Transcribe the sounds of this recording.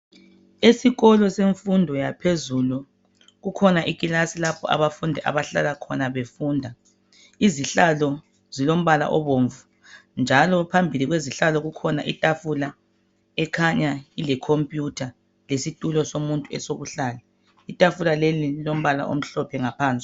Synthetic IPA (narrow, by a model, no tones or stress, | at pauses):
esiɣɔlɔseɱfundʱɔjapʰezulu | ɣukʰɔnaʔiɣʼilasilapʰɔʔa̰βafundʱɛʔa̰βaɬa̰lakʰɔnaβefuːndʱa | iziɬalɔ | zilom̩βala̰ʔɔβoːɱvu | nd͡ʒʱalɔpʰambʱiliɣweziɬalɔɣukʰɔnaʔitʼafula | ɛkʰaɲailɛkʰompʼjutʰa | lesitʼulɔsomuntʼuɛsoβuɬaːla | itʼafulalelilom̩βala̰ʔo̰m̩ɬɔpʰɛŋapʰaːnt͡sʼ